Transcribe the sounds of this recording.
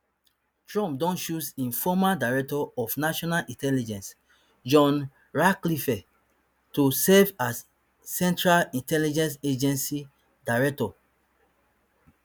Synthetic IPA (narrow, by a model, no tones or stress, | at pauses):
tɹɔ̃mp̚dɔ̃nʃusĩnfɔmadaɹɛk̚tɔɔfnaʃɔnalʔĩntɛlid͡ʒɛ̃ns | d͡ʒɔ̃n | ɹaklifɛ | tusɛvasː | ɛ̃ntɹalĩntɛlid͡ʒɛ̃nsed͡ʒɛ̃nsi | daɹɛk̚tɔ